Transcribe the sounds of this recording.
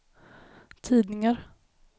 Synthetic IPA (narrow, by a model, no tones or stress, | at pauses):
t̪ʰiːd̪nɪŋaɾ